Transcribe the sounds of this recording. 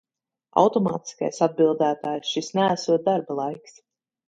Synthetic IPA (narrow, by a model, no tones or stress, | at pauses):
a̰wt̪ɔmɑ̰ːt̪i̥ska̰jsad̪̚bilˠd̪æːt̪aːjsʃisnææsuɔt̪̚d̪aɾbalˠajks